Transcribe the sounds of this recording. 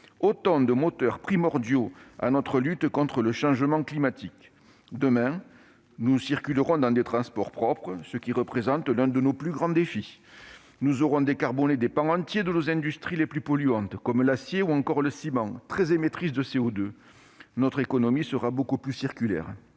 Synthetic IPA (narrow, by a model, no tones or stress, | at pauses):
ot̪ɑ̃d̪əmɔt̪œʁpχimɔʁd̪joa̰nɔt̪χəlyt̪kɔ̃t̪χələʃɑ̃ʒəmɑ̃klimat̪ik | d̪əmɛ̃ | nusiʁkʲyləʁɔ̃d̪ɑ̃d̪et̪χɑ̃spɔʁpχɔpχəsəkʲiʁəpχezɑ̃t̪lɛ̃d̪ənoplyɡʁɑ̃d̪efi | nuzɔʁɔ̃d̪ekaʁbɔned̪epɑ̃ɑ̃t̪jed̪ənozɛ̃d̪yst̪χileplypɔlyɑ̃t̪kɔmlasjeuɑ̃ŋkɔʁləsimɑ̃t̪χɛzemet̪χis̬d̪əseɔd̪ø | nɔt̪χekɔnɔmisəʁabokuplysiʁkʲylɛ̰ʁ